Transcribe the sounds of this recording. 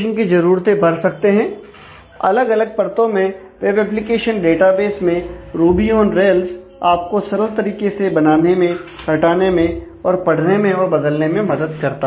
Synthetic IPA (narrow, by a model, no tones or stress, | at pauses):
ʃənkizɐɾuːɾt̪ebʱɐɾsɐk̚t̪eɦɛ̃ː | ɐ̰ləɡɐləɡ̚pɐɾt̪õmẽ | ʋeːʋɛːp̬lɪkeːʃənɖeːʈabeːsmẽɾuːbiõːnɾeːls | aːp̚kosɐɾəɾt̪ɐɾiːkesebɐnaːnemẽ | hɐʈaːnemẽ | ɔːɾpɐɽ̤nemẽɔːɾbɐd̪əlnemẽmɐd̪əd̪̚kɐɾt̪a